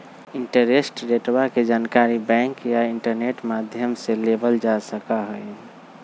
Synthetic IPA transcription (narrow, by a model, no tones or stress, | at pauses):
iɳʈəɾesʈɾeʈbaked͡ʒankaɾibɛ̃ŋkjaiɳʈəɾneʈmad̪ʱjəmselebəld͡ʒasəkaɦəj